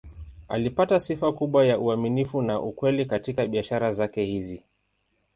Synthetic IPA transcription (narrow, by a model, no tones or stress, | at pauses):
a̰lipatasifakuɓwajaʔuaminifunaʔukwɛlikatikaɓiaʃaɾazakɛhizi